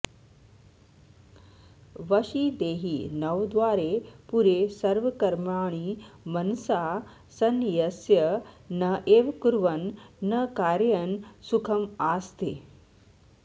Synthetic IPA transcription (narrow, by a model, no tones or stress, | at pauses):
ʋəɕiːd̪eːɦiːnəʋd̪ʋaːɾepuɾesɐɾʋəkɐɾmaːɳ̃iːmɐnsa | sɐnjɐsjɐ | nɐʔeːʋkuɾʋənːəkaːɾjənsukʰəmaːst̪ḛː